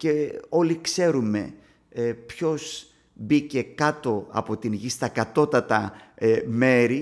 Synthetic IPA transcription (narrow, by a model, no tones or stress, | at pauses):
ce̞o̞likse̞ɾume̞̰ | pço̞z | bice̞kɐt̪o̞ɐ̰po̞t̪inʝist̪ɐkɐt̪o̞t̪ɐt̪ɐ | me̞ɾi